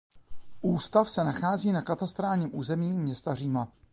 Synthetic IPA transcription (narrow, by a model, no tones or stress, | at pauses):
ʔuːst̪afsɛnaxaːziːnakat̪ast̪ɾaːlɲiːmʔuːzɛmiːmɲɛst̪ariːma